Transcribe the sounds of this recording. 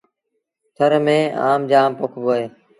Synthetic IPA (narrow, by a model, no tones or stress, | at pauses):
t̪ʰəɾmẽːa̰ːmd͡ʒaːmpʊkʰboːeː